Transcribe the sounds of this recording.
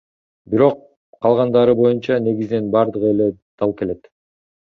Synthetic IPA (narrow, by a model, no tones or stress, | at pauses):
biɾo̞q | qʰːɑlˠʁɑnd̪ɑɾɯbo̞junt͡ʃɑne̞ɡizine̞nbɑɾd̪ɯʁɯele̞d̪̥ɑlˠke̞le̞t̪